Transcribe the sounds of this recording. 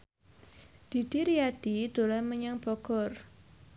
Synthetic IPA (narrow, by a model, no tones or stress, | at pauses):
d̪̥i̤d̪̥i̤ɾiad̥id̪̥o̤lɛməɲaŋb̥ɔɡ̥ɔr